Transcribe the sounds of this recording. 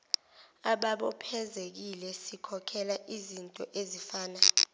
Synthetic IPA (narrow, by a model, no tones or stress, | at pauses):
aɓaɓɔpʰɛzek̬ilɛsikʰɔkʰɛlaʔizintʼɔʔezifaːna